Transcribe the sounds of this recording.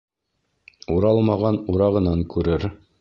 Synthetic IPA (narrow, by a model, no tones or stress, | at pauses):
uɾɑlˠmɑʁɑnuɾɑʁɤ̆nɑŋkʉɾɘɾ